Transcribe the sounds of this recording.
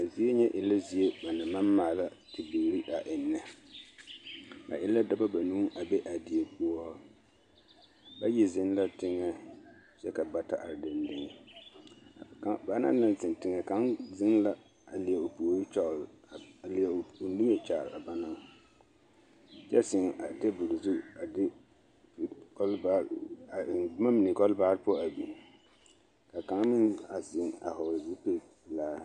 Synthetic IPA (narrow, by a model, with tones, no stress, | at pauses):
a˨zi˦e˦ɲɛ˦ʔɪ˨lːa˦zi˨e˦ba˨nɨ˨ma˦mmaː˨la˦tɪ˨bi˨ɾi˦a˨ʔɪ˨nːɨ˨ | a̰˨ʔɪ˦lːa˦da˦ba˦ba˨nuː˦ʔa˨bɛ˦ʔa˨di˨e˨pu˦a˦ | ba˦ji˨zɪ˦n˦la˦tɪ˦ŋːɛ˦ | t͡ʃɛ˦ka˨ba˦ta˦ʔa̰˨ɾdɪ˨n˦dɪ˨ŋ˨ | ka˦ba˨˦na̰˦na˨nsɪ˨ntɪ˨ŋɛ˨ka˦nzɪ˦nla˦ | a˨lɪ˨ɛ˨o˨pu˨o˨ɾi˦t͡ʃa˦˨ɾa˨lɪ˨ɛ˨o˨˦di˦ŋe˦˨t͡ʃaː˨ɾa̰˨ba˦na˦ŋ | t͡ʃɛ˦sɪ˨ŋa˨te˦bʊ˨ɾzu˦a˨dɪ˦ | bkɔ˦lba˦˨˦ | ma˦mɪ˨ni˨kɔ˦lbaː˦ɾpɔ˦a˨bi˨ | ka˨ka˨˦ŋmɪ˦na˨sɪ˨ŋa̰˨hɔ˨ɾzi˦pe˦˨ | laː˦